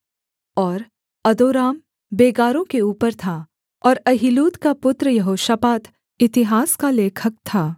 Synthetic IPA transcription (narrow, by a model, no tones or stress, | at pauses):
ɔːɾ | ɐd̪oːɾaːm | beːɡaːɾõkeuːpəɾt̪ʰa | ɔːɾɐɦiluːt̪kapʊt̪ɾəjɐɦoːʃəpaːt̪ʰ | ɪt̪ɪɦaːskaleːkʰək̚t̪ʰaː